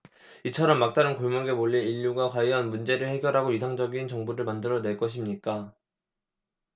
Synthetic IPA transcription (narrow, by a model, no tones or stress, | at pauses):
it͡ɕʰʌɾʌmːak̚t͈anɯnkoɭmoɡe̞moʎːiniʎːuɡakwaiʌnmund͡ʑe̞ɾɯɭhe̞ɡjʌɾɦaɡoisʰaŋd͡ʑʌɡint͡ɕʌŋbuɾɯɭmandɯɾʌne̞ɭk͈ʌɕʰimɲik͈a